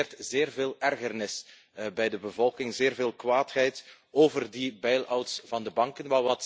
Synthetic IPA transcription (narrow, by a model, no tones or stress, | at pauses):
rtzeːrveːlˠɛrɣərnɪs | bɛjdəbəvɔlˠkɪŋzɪːrveːlˠkwaːtɦɛjt | oːvərdibɛjlɔwtsv̥ɑndəbɑŋkənʋaːrt